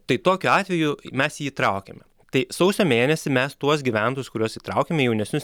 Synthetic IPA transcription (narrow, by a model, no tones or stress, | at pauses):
t̪ɐɪt̪oːkʲʊɑːt̪ʲʋʲɛjʊmʲɛsjiːt̪ɾɐʊkʲɛ̰mʲɛ | t̪ɐɪsɐʊsʲoːmʲeːnʲɛsʲɪmʲɛst̪uɔsɡʲiʋʲænt̪oːjʊskʊɾʲuɔsiːt̪ɾɐʊkʲemʲɛjɛʊnʲɛsʲnʲʊs